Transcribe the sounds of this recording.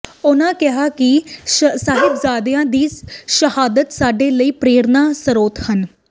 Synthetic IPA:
ʊnãːkɪɦaːkɪsaːɦɪbzaːd̪jãːd̪iːʃəhaːd̪ət̪saːɖeːləiːpɾeːɾnaːsəɾoːt̪hən

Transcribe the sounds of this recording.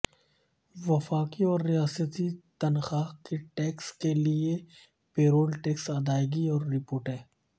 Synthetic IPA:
ʋɐfaːkiɔːɾːijaːsət̪it̪ɐnxaːkeʈeːkskelie | peːɾoːlʈeːksɐd̪aːjɡiɔːɾːɪpoːɾʈɦɛ̃ː

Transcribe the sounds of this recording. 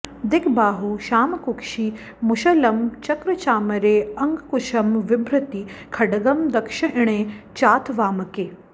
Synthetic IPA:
d̪ɪkʰbaːɦuʃaːmɐkukʃi | mʊʃɐlɐmt͡ʃɐkɾɐt͡ʃaːmɐɾeːɐŋɡkʊʃɐmʋɪbɾɐt̪ikʰɐɖɐɡɐmd̪ɐkʃɐʔɪɽ̃ẽːt͡ʃaːt̪ʰʋaːmɐkeː

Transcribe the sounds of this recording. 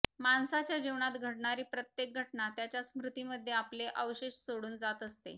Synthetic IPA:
mansat͡ɕjad͡ʑeʋɳat̪ɡʱəʈɳaɾiːpɾət̪jek̚ɡʱəʈɳat̪jat͡ɕjasmɾut̪iːməd̪ʱːjeapleʔəwɕeɕsoɽuːnd͡zat̪əst̪ḛ

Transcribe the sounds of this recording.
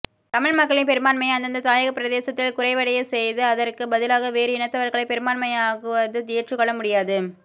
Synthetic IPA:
t̪ɐmɪɻmɐkːɐɭɪnpɛɾɯmaːnmɐɪɐnd̪ɐnd̪ɐt̪aːjɐɣɐpːɪɾɐðeːsɐt̪ːɪlkʊɾɐɪʋɐɽɐjɐsɛjðɯɐðɐrkɯbɐðɪlaːɣɐʋeːɾɯɪnɐt̪ːɐʋɐɾɣɐɭɐɪpɛɾɯmaːnmɐɪaːɣɯʋɐðɯt̪ɪjɐʈrɯkːɔɭːɐmʊɽɪjaːðɯ

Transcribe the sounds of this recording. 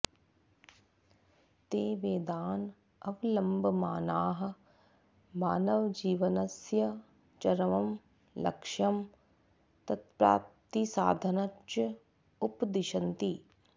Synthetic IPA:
t̪eːʋeːd̪aːn | ɐʋlɐmbʱmaːnaːɦɐ̆ | maːnɐʋd͡ʒiːʋɐnɐsjɐ | t͡ʃɐɾɐʋɐm | lɐ̰kʃɐm | t̪ɐt̪̚pɾa̰ːpt̪isaːd̪ʱɐnɐʃɐ | upd̪ɪʃɐnt̪i

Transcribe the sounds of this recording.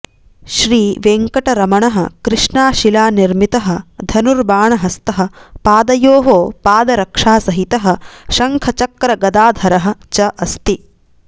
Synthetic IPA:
ʃɾiːʋeːŋkɐʈɐɾɐmɐɳɐɦɐ̆kɾɪʂɳaːʃilaːniɾmit̪ɐɦɐ̆d̪ʱɐnuɾbaːɳɐɦɐst̪ɐɦɐ̆paːd̪ɐjoːɦoːpaːd̪ɐɾɐkʂaːsɐɦit̪ɐɦɐ̆ʃɐŋkʰɐt͡ʃɐkɾɐɡɐd̪aːd̪ʱɐɾɐɦɐ̆t͡ʃɐʔɐst̪i

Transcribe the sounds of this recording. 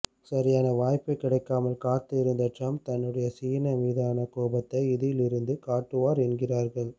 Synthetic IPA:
sɐɾɪjaːnɐʋaːjpɐɪkːɪɽɐɪkːaːmɐlkaːt̪ːɪɪɾɯnd̪ɐʈrɐmt̪ɐnːɯɽɐjɐsiːnɐʋiːðaːnɐkoːbɐt̪ːɐɪɪðɪjɪlɪɾɯnd̪ɯkaːʈːɯʋaːɾɛnɡɪraːɾɣɐɭ

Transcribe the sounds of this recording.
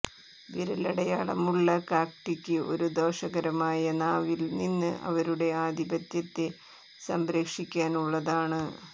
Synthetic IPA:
ʋiɾɐlɐɽɐjaːɭɐ̰muɭːɐkaːk̚ʈikʲːɨʔo̞̰ɾud̪o̞ːʂɐɣɐɾɐmaːjɐnaːʋilninːɨʔɐ̰ʋɐɾuɽe̞aːd̪ibɐt̪jɐt̪ːe | sɐmbɾeːkʂikʲːaːnuɭːɐðaːɳɨ

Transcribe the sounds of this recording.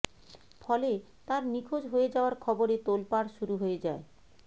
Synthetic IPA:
fɔle | t̪aɾnikʰod͡ʑɦojed͡ʑaoaɾkʰɔboɾet̪olpaɾʃuɾuɦoed͡ʑae

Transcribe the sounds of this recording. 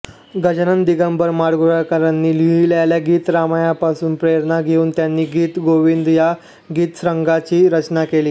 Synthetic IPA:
ɡʱəd͡ʑnənd̪iɡəmbəɾmaɽɡuɽakəɾanːiːliiljaljaɡiːt̪ɾamajapasuːnpɾeɾnaɡʱeuːnt̪janːiːɡiːt̪ɡoʋind̪ja | ɡiːt̪sɾəŋɡat͡ɕiːɾət͡ɕnakeliː

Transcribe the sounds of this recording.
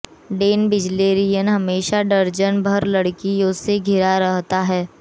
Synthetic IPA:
ɖeːnbɪd͡ʒleːɾijənɦɐmeːʃaɖɐɾd͡ʒənbʱɐɾlɐɽkijõseɡʱɪɾaɾɐɦt̪aɦɛː

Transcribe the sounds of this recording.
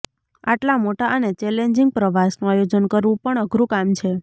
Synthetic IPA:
a̰ʈlamoʈaʔənet͡ʃɛleɲd͡ʒiŋɡ̚pɾəʋasnũajod͡ʒənkəɾʋũpəɳəɡʱɾũkamt͡ʃʰe

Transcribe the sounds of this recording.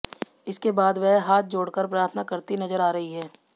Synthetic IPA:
ɪskebaːd̪ʋɛɦɦaːt̪̚ʰd͡ʒoːɽkəɾpɾaːt̪ʰnakɐɾt̪inɐzəɾaːɾɐɦiɦɛː

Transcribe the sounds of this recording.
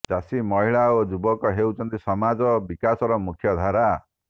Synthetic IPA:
t͡ʃasimɔɦiɭaod͡ʒubɔkɔɦewt͡ʃʰɔnt̪isɔmad͡ʒɔbikasɔɾɔmukʰjɔd̪ʱaɾa

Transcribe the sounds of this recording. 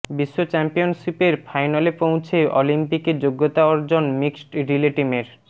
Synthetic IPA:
biʃːot͡ɕɛmpionʃipeɾfʰajnalepowt͡ɕʰeʔɔlimpiked͡ʑoɡːot̪aɔɾd͡ʑonmiksʈɾileʈimeɾ

